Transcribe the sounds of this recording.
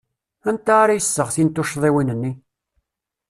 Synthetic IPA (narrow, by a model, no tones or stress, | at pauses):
ænt̪aɾajəsːəʁθint̪ːuʃðˤiwinənːi